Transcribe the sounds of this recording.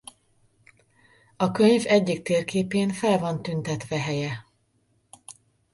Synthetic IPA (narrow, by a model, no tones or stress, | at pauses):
ɒkøɲvɛɟːikt̪eːrkeːpeːnfɛlvɒnt̪ynt̪ɛt̪ʋɛɦɛjɛ